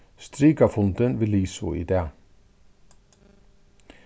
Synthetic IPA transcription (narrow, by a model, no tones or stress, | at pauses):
st̪ɾiːkɑfʊnt̪ənʋɪːliːsʊḭd̪eː